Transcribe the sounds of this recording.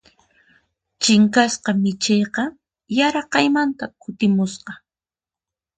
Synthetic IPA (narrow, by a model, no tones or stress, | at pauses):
t͡ʃɪŋkasqɑmɪt͡ʃejqɑ | jaɾɑqɑjmant̪akʰʊt̪ɪmʊsqɑ